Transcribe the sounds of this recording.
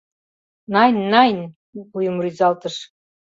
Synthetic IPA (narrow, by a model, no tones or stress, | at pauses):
nɑjnːɑjn | ujə̆mryzɑlt̪ɤʃ